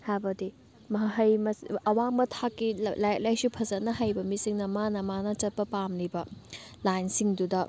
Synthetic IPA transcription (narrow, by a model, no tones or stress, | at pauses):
habɐdi | mɐɦɦɐjmɐsɐwaŋbɐtʰakːilajt̚lajsupʰɐzɐtnɐɦɐjbɐmisiŋnɐmanɐmanɐt͡ʃɐt̚pɐpamlibɐ | lajnsiŋdudɐ